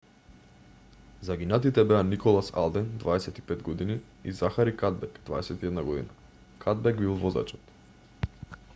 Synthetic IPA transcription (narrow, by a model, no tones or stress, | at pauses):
zaɡinat̪it̪ɛbɛanikɔlˠasa̰lˠd̪ɛnd̪vaɛsɛt̪i̥pɛd̪ɡɔd̪ini | izaxaɾikad̪̚bɛkd̪vaɛsɛt̪iɛd̪naɡɔd̪ḭna | kʰad̪̚bɛɡbilˠvɔza̰t͡ʃɔ̥t̪